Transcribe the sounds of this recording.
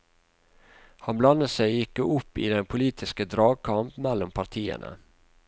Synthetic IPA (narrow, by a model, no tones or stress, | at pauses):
hɑnblɑnːəsɛɪjɪkːəʊpːḭːd̪ɛnpʰʊliːt̪ʰɪskəd̪ɾɑːɡ̚kʰɑmpmɛlːɔmpʰɑɾʈ̪ʰiːə̰nʔə̰